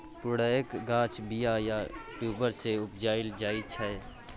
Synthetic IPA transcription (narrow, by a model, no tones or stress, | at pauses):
pʊɽaːjəkɡãːt͡ʃbijajaʈjuːbəɾseʊpd͡ʒaːɪld͡ʒaːit͡ʃʰəe